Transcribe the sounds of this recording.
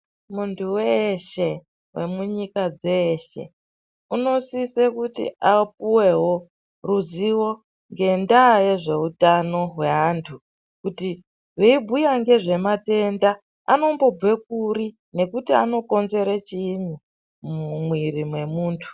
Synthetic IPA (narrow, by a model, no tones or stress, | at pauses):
muntʰuweʃe̞ | we̞muɲikad͡zeʃe̞̰ | uno̞sisekutḭap̚uwe̞ɦo̞ | ruziwo̞ | ŋɡe̞ndaje̞ʐe̞utano̞ɦwe̞ɦantʰu | kuti | ʐeibʱujaŋɡe̞ʐe̞mate̞nda | a̰no̞mbo̞b͡vwe̞k̚uɾi | ne̞kutia̰no̞ko̞nze̞ɾat͡ʃiɲu | mwiɾimwe̞muːntʰu̥